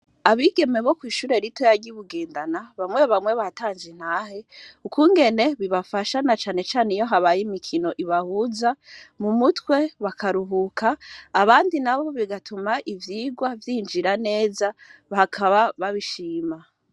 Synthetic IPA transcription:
aβiɡe̞meβo̞kwiːʃuːɾe̞ɾitojaɾɟiβuɡeːndanaβamwe̞βamwe̞βataːnd͡ʒen̥haːheukuːŋɡe̞ne̞βiβafaʃanat͡ʃaːne̞t͡ʃaːnejo̞ɦaβajimikʰino̞ʔiβahuːzamumutwe̞βakʰaɾuɦukʰaːβaːndinaβo̞βiɡatumaʔivjiːɡwavjiːnd͡ʒiɾane̞ːzahakʰaβaβaβiʃiːma

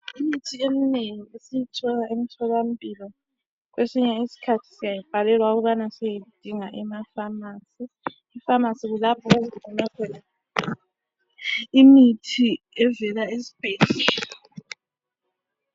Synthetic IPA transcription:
imitʰiemineŋiesijitʰɔɣaemitʰɔɣam̩pʼilɔ | k̬wʔesiɲɛisi̥kʰatʰi̥sijajib̥ʱalɛlwauɣuβanasɛjeud̥ʱiŋaʔɛmafamasiː | famasiɣulapʰɔezikɔnakʰɛla | imitʰi | ɛvɛlaesi̥b̥ʱeːɮi

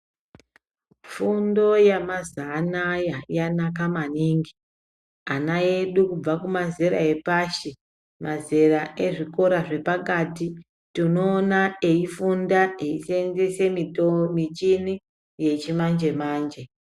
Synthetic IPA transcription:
fundo̞jamazanajajanak̬amaniŋɡi | anae̞ɗukub͡vakumazeɾa̰e̞paːʃi | maze̞ɾaʔe̞ʐiko̞ɾaʐe̞pakaːti | tuno̞ːnaeifundaeisend͡zese̞mitomit͡ʃini | je̞t͡ʃimand͡ʒe̞maːnd͡ʒe̞

